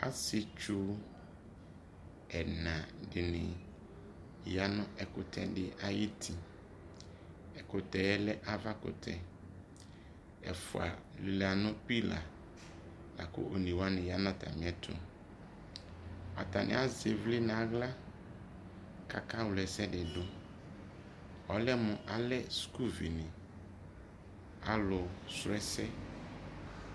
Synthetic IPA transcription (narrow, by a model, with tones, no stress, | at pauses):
a̰˦sɪ˨t͡ʃu˦ | ɛ˨nã˨dɪ˨nɪ̃˨ | ja˦nʊ̃˦ɛ˨kʊ˨tʰɛ̰˨dɪ˦˨ʔa˨ji˦tʰi˨ | ɛ˨kʊ˨tɛ˨ɛ˦lɛ˦ʔa˦va˦kʊ̰˨tʰɛ˨ | ɛ̰˨fʊ˨a̰˨lɪ˨la˨nʊ̃˦pi˦la̰˨ | na̰˨kʊ̰˦ʔo˨nĩ˨wa˦nɪ̃˨ja˦nã˦tʰa̰˨mɪ̃˨˦ɛ˦tʰʊ̰˨ | a̰˨ta˨nʔɪ̰˨˦a˦ze˨vlɪ˦nã˨˦ɣla˦ | ka̰˨ka˦wlɛ˨sɛ˦dɪ˨dʊ˦ | ɔ˨lɛ˦mʊ̃˨ʔa˨lɛ˦sku˦vi˨nɪ̃˨ | a̰˦lʊ˨sɾɛ˦sɛ˦